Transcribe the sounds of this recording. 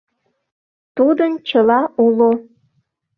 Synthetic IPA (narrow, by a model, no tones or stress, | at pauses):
t̪ud̪ənt͡ɕəlɑʔulo